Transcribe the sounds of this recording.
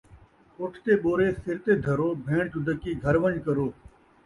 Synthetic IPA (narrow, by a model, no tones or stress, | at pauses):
ʊʈʰt̪eːɓoːɾeːsɪɾt̪eːd̪ʱəɾoːbʱẽːɳt͡ʃʊd̪əkiːɡʱəɾʋəɲd͡ʒkəɾoː